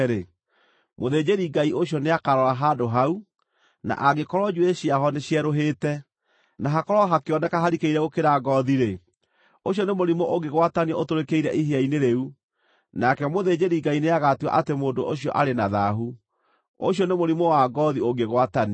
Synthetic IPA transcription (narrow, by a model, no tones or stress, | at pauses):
ɾe | moðed͡ʑeɾiɡaioɕjɔneakaɾɔɾaɦadoɦau | na̰ʔaɣekɔɾɔd͡ʒueɕiaɦɔneɕjɛɾoɦeːtɛ | naɦakɔɾɔɦakeɔnɛkaɦaɾikeiɾɛɣokeɾaɡɔðiɾe | oɕ̬ɔnemoɾimoʔoɡeɣwataniɛotoɾekeiɾɛʔiɦeaineɾeu | nakɛmoðed͡ʑeɾiɡaineaɣatwa̰ʔatemoːndoʔoɕiɔ̰ʔaɾenaðaɦu | o̰ɕjɔnemoɾimowaɡɔðioɡeɣwatan